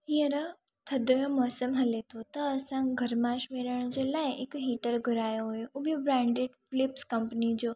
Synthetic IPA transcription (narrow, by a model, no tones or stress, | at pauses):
ɦijəɾə | t̪ʰɐd̪ojõmɔːsəmɦɐlet̪ʰot̪ɐːsãɡʱɐɾmãːʃmeːɾəɽ̃d͡ʑeːlaːɪɪkɦiːʈəɾɡʱʊɾaːjoɦujoubobɾɛ̃ːɳɖeɖfɪlɪpskɐmpnid͡ʑoː